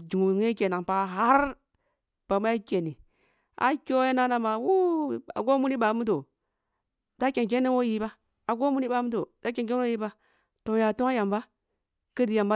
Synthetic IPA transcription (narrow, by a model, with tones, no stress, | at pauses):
d͡ʒi˨ŋu˨ŋe˦ke˨na˨pa˦ɦa˦ɾ | b̥a˨m˦a˦kʲe˨ni˨ | a̰˨kʲo˦je˦na˦na˦ma˨wu˦a̰˨ɡo˦mu˦ni˦ba˨˦mu˦t̬o˨ | d̥a˦ke˨ŋk̬e˦nːe˦wo˦ji˦ba˦ | a˨ɡo˦mu˦ni˦ba˨˦mu˦to˨da˦ke˨ke˦o˦ji˦ba˦ | to˨ja˨to˦ŋa˦ja˨mba˦ | kə˦di˨ja˨mba˦